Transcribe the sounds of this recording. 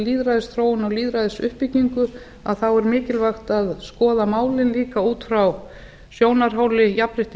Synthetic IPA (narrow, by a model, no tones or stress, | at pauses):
liːðɾajðɪsθɾoːwʏnaɣliːðɾajðɪsʏhpɪciŋkʏ | aðθawɛɾmɪːcɪlvaxt̪aðskɔːðamaːwlɪnliːkauːt̪fɾaw | sjoːwnaɾ̥ɦaːwlɪjapɾɪht̪